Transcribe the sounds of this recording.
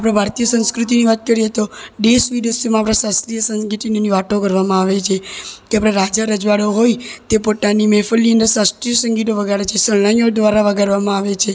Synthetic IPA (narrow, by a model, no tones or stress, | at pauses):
apɽ̃abʱaɾt̪ijəsə̃nskɾut̪̬iniʋat̪̚kəɾiet̪oɖesʋid̪əsəmãaːpɽ̃ãsast̪ɾijəsə̃nɡiʈinoniʋaʈokəɾʋamãaʋet͡ʃʰekeapɽ̃eɾad͡ʒaɾəd͡ʒʋaɽoɦojt̪epot̪animefəlːiənd̪əɾsasʈ̪ɾijəsəŋɡiʈoʋəɡaɾet͡ʃʰesəɭnajod̪ʋaɾaʋəɡʱaɾʋamãaʋet͡ʃʰe